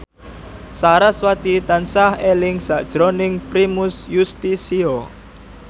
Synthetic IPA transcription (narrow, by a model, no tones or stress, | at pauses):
saɾaswat̪it̪ansahelɪŋsaʔd̥ʒ̥ɾɔnɪŋpɾimʊsjust̪isiɔ